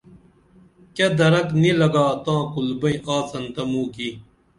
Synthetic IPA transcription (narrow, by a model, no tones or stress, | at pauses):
kɐd̪ɐɾɐknilɐɡaːt̪ãːkulbɐĩʔaːt͡sɐnt̪ɐmũːki